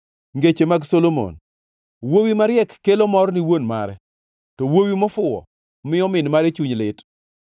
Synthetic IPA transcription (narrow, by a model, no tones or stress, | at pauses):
ŋɡet͡ʃemaɡsolomo̰n | wowimaɾjɛkːelomɔrniwonma̰ɾɛ | tɔwowimɔfʊɔ̰ | mɪɔmɪnmaɾet͡ʃuɲlɪt